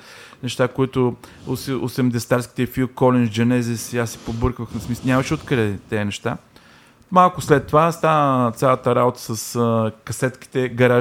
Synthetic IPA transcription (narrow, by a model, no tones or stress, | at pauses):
nɛʃt̪akoit̪ʊsosɛmd̪ɛst̪aɾskʲi̥t̪ɛfikɔlɛnd͡ʒd͡ʒɐnɛzɛsiasːɛ̥pobɤɾkvəxnɐsmisnʲamɐʃɛot̪kɾɛt̪ɛnɛʃt̪a | malˠkʊslɛt̪ːovast̪aət̪sʲjalˠət̪əɾabot̪ə̥səskɐsɛt̪ki̥t̪ɛɡɐɾa